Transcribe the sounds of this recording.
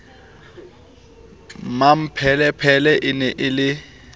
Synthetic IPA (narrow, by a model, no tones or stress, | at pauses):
mam̩pʰɛlɛpʰɛlɛʔɪnɛʔɪlɪ